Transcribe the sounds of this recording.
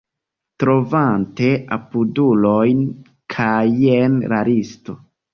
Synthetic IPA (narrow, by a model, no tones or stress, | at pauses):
tɾo̞vante̞a̰pudulo̞jn | kʰajenɾaɾisto̞